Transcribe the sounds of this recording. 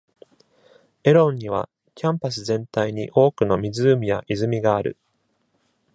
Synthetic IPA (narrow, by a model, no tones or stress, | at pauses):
e̞ɾõ̞ɲːiβ̞a̰ | kʲãmpas̬ɨzẽ̞nt̪aiɲ̟ḭʔo̞ːkɯ̟no̞mʲizɨːmʲijaʔizɨmʲiɡaːɾɯ̟̰